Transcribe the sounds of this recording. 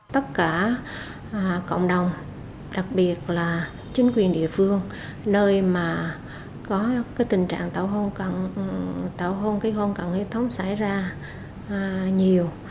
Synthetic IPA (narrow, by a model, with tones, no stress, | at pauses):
t̪ə˦˥t̚kaː˧˩ | ʔko̰˧˨wŋ͡mɗə˨˩wŋ͡m | ɗa˨˩k̚ɓi˨˩ət̚laː˨˩ | t͡ɕï˨˦ŋ̟kwi˨˩ənɗḭ˧˨əfɨ˧əŋ | nəː˧jmaː˨˩ | kɔ˨˦kaː˨˦jt̪ï˨˩ŋ̟t͡ɕa̰ː˧˨ŋt̪aː˧˩wɦo˧nka˧˩ | t̪aː˧˩wɦo˧nka˨˦ho˧nka˨˧˩nhi˧˥t̪ʰə˨˦wŋ͡msa˧˩jzaː˧˨˩ | ɲi˨˩əw